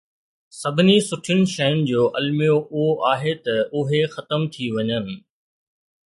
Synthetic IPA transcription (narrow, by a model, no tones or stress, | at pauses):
sɐbʱɪnisʊʈʰjʊnɪ̆ʃɐjʊnɪ̆d͡ʑoːʔɐlmijoʔʊɦoʔaːɦet̪ɐʊɦexɐt̪əmt̪ʰiʋɐɲənɪ̆